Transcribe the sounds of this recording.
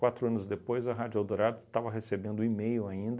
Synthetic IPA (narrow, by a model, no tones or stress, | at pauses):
kwat̪ɾʊɐ̃nʊzd̪epojzɐɦad͡ʒawd̪oɾaɾd̪ʊt̪avɐɦesebẽnd̪ʊimejʊaĩnd̪